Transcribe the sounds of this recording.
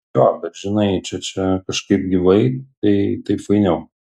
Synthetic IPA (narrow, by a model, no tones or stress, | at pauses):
joːbʲɛt̪ʒʲɪnɐɪt͡ʃʲɛt͡ʃʲɛkɐʃkɐɪp̚ɡʲɪʋɐɪt̪ɐɪt̪ɐɪpʋɐɪnʲɛʊ